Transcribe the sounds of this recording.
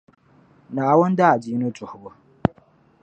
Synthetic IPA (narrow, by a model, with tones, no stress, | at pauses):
naː˨wɔ˦nda˦a˨d͡ʒiː˦nu˦t͡sʼʊ˨hbo˦